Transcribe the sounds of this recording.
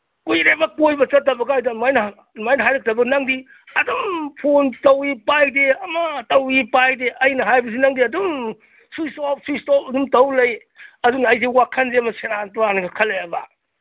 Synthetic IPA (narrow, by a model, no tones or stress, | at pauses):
kujɾebɐkojbɐt͡ʃɐtːɐbɐɡɐːjdamajnɐ | majnɐɦajɾɐk̚tɐbɐɡnɐŋdi | ɐdumpʰontɐwipajdeɐmɐtɐwipajdeʔɐjnɐɦajbɐs̬inɐŋdiɐdum | sujsɔp̚sujstɔp̚ɐdumtɐwlɐj | ɐdunːjs̬ewakʰɐnzemɐseɾantɔɾaniɡakʰɐlejaba̰